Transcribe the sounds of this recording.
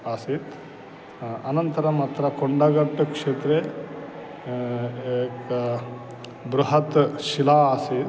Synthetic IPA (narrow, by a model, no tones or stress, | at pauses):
aːsit̪ | ɐnɐnt̪ɐɾɐmɐt̪ɾɐkoɳɖɐɡɐʈːɐkʂeːt̪ɾe | k | bɾuɦɐt̪ʃilaːaːsi